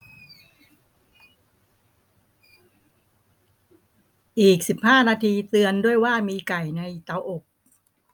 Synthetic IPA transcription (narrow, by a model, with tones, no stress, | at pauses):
ʔiː˨˩k̚si˨˩p̚haː˥˩naː˧t̪ʰiː˧t̪ɯ˧əndu˥˩əjwaː˥˩miː˧ka˨˩jna˧jt̪a˧wʔo˨˩k̚